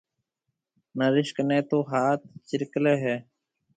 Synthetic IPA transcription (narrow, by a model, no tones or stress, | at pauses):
nəɾɪʃknẽːt̪oːɦaːt̪̚t͡ʃɪɾkleːɦeː